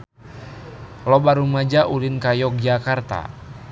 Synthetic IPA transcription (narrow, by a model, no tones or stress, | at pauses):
lɔbaɾumad͡ʒaʔulinkajɔk̚d͡ʒakart̪a̰